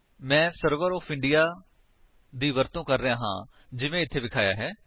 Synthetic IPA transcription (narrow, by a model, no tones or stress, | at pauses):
mɛ̃ːsəɾʋəɾɔːfʰɪ̃ɳɖɪjaː | d̪iːʋəɾt̪õːkəɾːəjãːɦã̰ː | d͡ʒɪʋẽːɪt̪ʰːeːbɪkʰaːja̰ːɦɛː